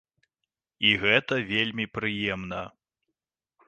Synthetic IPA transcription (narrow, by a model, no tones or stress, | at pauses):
iɣɛt̪ɐvʲelʲmʲipɾɨjɛmn̪ɐ